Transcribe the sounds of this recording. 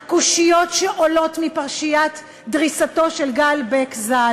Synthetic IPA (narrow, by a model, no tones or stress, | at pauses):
kuʃijo̞tʃeʔolo̞tmipaʁʃijat | dʁisato̞ʃelɡalbekza